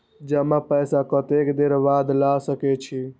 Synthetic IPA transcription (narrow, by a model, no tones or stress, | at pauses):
d͡ʒəmapəjsakət̪ekd̪eɾbad̪lasəkɛt͡ʃʰi